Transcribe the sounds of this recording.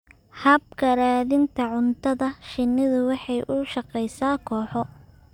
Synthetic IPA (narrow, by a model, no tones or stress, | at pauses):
hɐb̚kʰɐɾaːðɪnt̪ʰɐʕʊnt̪ʰɐðɐʃɪnːɪðʊwɑħɑjʔʊʃɑqɛjsaːkʰɔːħɔ